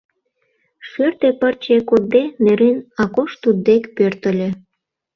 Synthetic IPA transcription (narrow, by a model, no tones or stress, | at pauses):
ʃørt̪epərt͡ɕekod̪̚deneɾenɑkoʃt̪ud̪̚ːekpørt̪ə̆lʲe